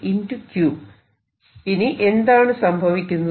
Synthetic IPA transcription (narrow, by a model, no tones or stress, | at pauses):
indukjuːb | iniʔe̞nd̪aːɳɨsɐmbʱɐʋikʲːunːɐ